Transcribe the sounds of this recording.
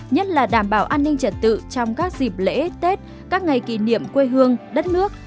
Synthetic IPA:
ɲə˦˥t̚laː˨˩ɗaː˧˩mɓaː˧˩wʔaː˧nːï˧ŋ̟t͡ɕə˧˩t̚t̪ɨ̰˧˨t͡ɕɔ˧wŋ͡mkaː˦˥k̚zi˨˩p̚lḛ˧˥t̪e˦˥t̚ | kaː˦˥k̚ŋa˨˩jkḭ˧˩nḭ˧˨əmkwe˧ɦɨ˧əŋɗə˦˥t̚nɨ˦˥ək̚

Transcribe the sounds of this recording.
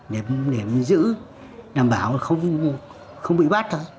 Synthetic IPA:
ɗe˨˩mne˨˩mzɨ̰˧˥ | ɗaː˨˩mɓaː˨˦wxə˧wŋ͡m | xə˧wŋ͡mɓḭ˧˨ɓa˦˥t̚t̪ʰoː˧j

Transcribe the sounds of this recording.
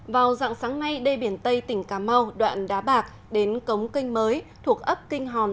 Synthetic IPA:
vaː˨˩wza̰ː˧˨ŋsaː˨˦ŋna˧jɗe˧ɓi˧˩ənt̪ə˧jt̪ï˧˩ŋ̟kaː˨˩˦ma˧wɗwa̰ː˧˨nɗaː˨˦ɓaː˨˩k̚ | ɗe˨˦nkə˨˦wŋ͡mkï˧ŋ̟məː˨˦jt̪ʰu˨˩ək̚ʔə˦˥p̚kï˧ŋ̟ɦɔ˨˩n

